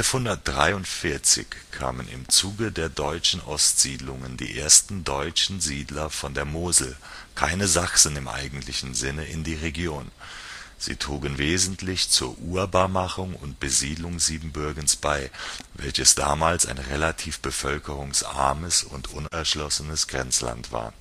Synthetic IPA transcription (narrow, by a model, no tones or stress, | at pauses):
ʔɛlfhʊndɐt̚d̥ʁaɪʊntfɪɐt͡sɪ̰çkʰa̰ːmənɪ̰mt͡suːɡədeːɐdɔʏt͡ʃn̩ʔɔstz̥iːdlʊŋəndḭːʔeːɐstn̩dɔʏt͡ʃn̩ziːdlɐfɔndeːɐmoːzl̩kʰaɪnəzaksn̩ɪmʔa̰ɪɡŋ̩tʰlɪçn̩zɪnəʔɪndiːʁeɡjoːn | z̥ḭːtʁ̥uːɡənveːzn̩tʰlɪçt͡suːɐʔuːɐbaːɐmaχʊŋʊ̰ntb̥əziːdlʊŋziːbm̩bʏɐɡnsb̥aɪvɛ̰lçəsd̥aːmaːlsa̰ɪnʁelatʰiːfb̥əfœlkəʁʊŋsʔa̰ɐməsʊntʰʔʊnɛɐʃlɔsənəsɡ̥ʁɛnt͡sla̰ntv̥a̰ːɐ